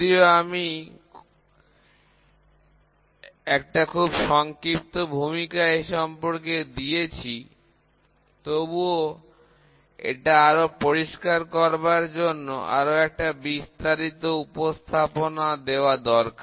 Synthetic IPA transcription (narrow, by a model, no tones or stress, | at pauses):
ioami | ɛk̚ʈakʰubʃɔŋkɾip̚t̪obʱumikaeʃɔmpoɾked̪iet͡ɕʰi | t̪obuo | ḛʈaaɾopoɾiʃkaɾkɔɾbaɾd͡ʑonːo̰ʔa̰ɾoɛk̚ʈabist̪aɾit̪oupost̪ʰaponad̪eoad̪ɔɾka